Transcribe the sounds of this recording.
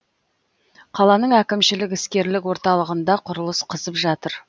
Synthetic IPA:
qʰɑlˠɑnəɴækʲɪmʃɪlɪk̬ɪskʲe̞ɾlɪkwo̞ɾt̪ɑlˠəʁənd̪ɑqʰʊɾəlˠəsqʰəzəpʒɑt̪əɾ

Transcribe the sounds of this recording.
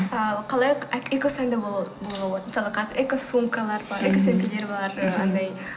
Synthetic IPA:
ɑqʰɑlˠɑjekʲosænd̪ebobolˠʁɑbolˠɑt̪əməsɑlˠəqʰɑzɪɾekʲosumkalˠɑɾbɑɾekʲɪsenkʲele̞ɾbɑɾqʰɑnd̪ɑj

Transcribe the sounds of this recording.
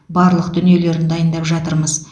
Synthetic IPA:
bɑɾlˠəqd̪ʏnije̞le̞ɾɪnd̪ɑjənd̪ɑpʒɑt̪əɾməz

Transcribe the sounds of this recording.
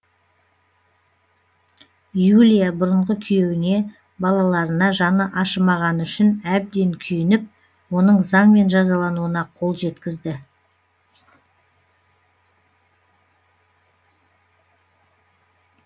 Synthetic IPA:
julʲijabʊɾəɴʁəkʲʰʏje̞wɪne̞ | bɑlˠɑlˠɑɾənɑʒɑnəʔɑʃəmɑʁɑnʏʃɪnæb̚d̪e̞ŋkʲʰʏjɪnɪp̚ | wo̞nəɴzɑɴme̞nʒɑzɑlˠɑnuənɑqʰo̞lˠʒe̞t̪kʲɪzd̪ɪ

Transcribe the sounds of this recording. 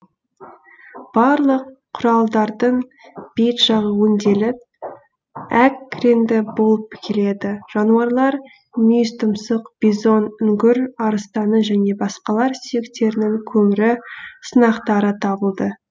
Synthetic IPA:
b̥ɑɾlˠəqʰːʊɾɑlˠd̪ɑɾd̪əɴb̥ejt̪ʒɑʁəwənd̪e̞lɪp̚ | ækːrend̪ɪbo̞lˠəpːɪ̥kʲɪle̞d̪ɪʒ̥ɑnuɑɾlˠɑɾ | nʲijst̪ʊmsəqb̥ʲizo̞nʏŋɡʲɪɾɑɾəst̪ɑnəʒæne̞bɑsqɑlˠɑɾsʏjɪkt̪e̞ɾɪnɪŋkʲʰɵmɪɾɪsənɑqt̪ɑɾət̪ʰɑbəlˠd̪ə

